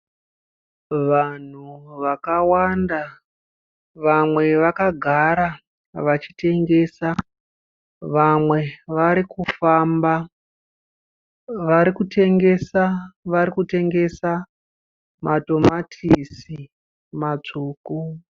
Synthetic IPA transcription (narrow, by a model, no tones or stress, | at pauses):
ʋan̤uʋakawanda | ʋamwe̞ʋakaɡʱaɾa | ʋat͡ʃi̥te̞ŋɡe̞ːsa | ʋamwe̞ʋaɾikufamba | ʋaɾikute̞ŋɡe̞saʋaɾikute̞ŋɡe̞sa | mʔato̞matʰisi | mat͡ʂuːku